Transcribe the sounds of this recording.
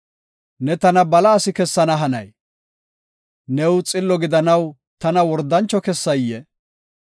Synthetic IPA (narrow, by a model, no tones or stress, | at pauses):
nɛt̪ɐnɐbɐlɐːsɪkɛsːɐnɐɦɐnɐ̰j | nɛwt͡sʼɪlːɔɡɪd̪ɐnɐw | t̪ɐnɐwɔɾd̪ɐnt͡ʃːɔkɛsːɐjːɛ